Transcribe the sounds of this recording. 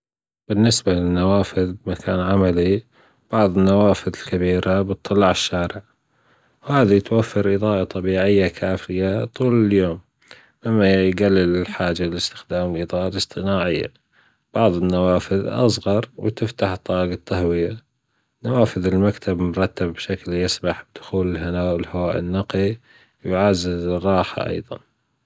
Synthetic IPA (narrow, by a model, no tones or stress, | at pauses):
b̥ɪnːɪsbalɪnːawaːfɪðbmakʰaːnʕamali | b̥ɑʕðˤɪnːawaːfɪðɪlkabiːɾabɨt̪ˤːɨlɑʕɪʃːaːɾɪʕ | whaːðit̪wafːɑɾʔɨðɑːʔɑt̪ˤɑbiːʕɪjːakʰaːfɪjat̪ˤuːlɪljoːm | ʔɪmːajɡalːɪlɪlħaːd͡ʒalɪlɪst̪ɪ̥xd̪aːmɪlʔɨðɑːʔalɨsˤt̪ˤɨnaːʕɪjːa̰ | b̥ɑʕðˤɪnːawaːfɪðʔɑ̰s̬ˤɣɑɾˤwt̪ɪft̪aħt̪ˤːɑːɡɑt̪ːaɦwɪja | nawaːfɪðɪlmakt̪ʰabmʊɾˤɑt̪ːabːʃakljɪsbaħb̚d̪̥ʊxuːlɪlɦanaːʔɪlhawaːʔɪnːɑqi | wjʕazːɪzɪrˤːɑːħa̰ʔɑ̰jðˤɑ̰n